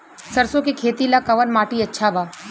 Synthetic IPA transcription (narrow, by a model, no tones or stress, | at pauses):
sɐɾsõkekʰeːt̪ilakɐʋənmaːʈiɐtːʃʰabʱaː